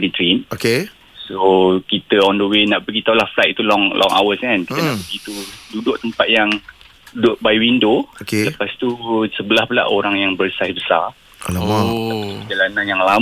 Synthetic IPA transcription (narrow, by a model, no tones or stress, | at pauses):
dit̪ɾinoke | sokit̪əɔndowɪnaʔbəɡit̪awlahflajt̪̚t̪ulɔŋlʔɔ̰ŋʔa̰wəskankiənãʔbəɡit̪ududʊʔt̪əmpat̪̚jaŋ | dʊʔbajwindokeləpast̪usəbəlahpəla̰ʔoɾaŋjaŋbərsajsbəsa̰r | əd͡ʒalananjaŋla